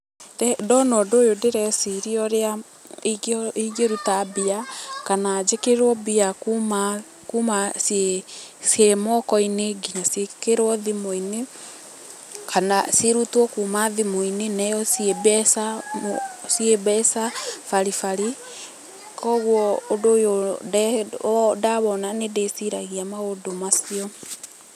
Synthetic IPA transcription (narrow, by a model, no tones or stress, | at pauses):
tɛdɔnɔdoːjodeɾɛsiɾiɔɾea | iɣeɾutabiakanad͡ʒekeɾwɔbiakuma | kumasesjemɔkɔineɡinasekeɾwɔðimoine | kanaseɾutwɔkuːmaðimoinenɛɔsiebɛsa | siebɛsafaɾifaɾi | kɔɣwɔːdojodɛ | daβɔnanedesiɾaɣiamaodomasiɔ